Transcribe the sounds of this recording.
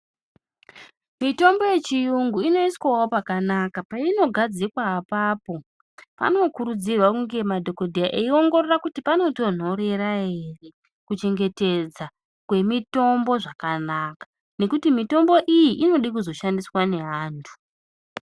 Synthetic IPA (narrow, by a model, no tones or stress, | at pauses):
mito̞mbo̞je̞t͡ʃijuŋɡuino̞iswawopakanakapaino̞ɡʱad͡zikwaːpapo̞ | pa̰no̞kuɾud͡zirwakuŋɡe̞madʱo̞ko̞dʱijaʔeio̞ŋɡo̞rerakutipano̞to̞n̤o̞ɾe̞ɾaɦe̞re̞ | kut͡ʃe̞ŋɡe̞te̞d͡za | kwe̞mito̞mbo̞ʐakanakḁ | ne̞kutimito̞mbo̞ʔijiʔino̞ɗikuzo̞ʃandiswane̞ɦaːntʰu̥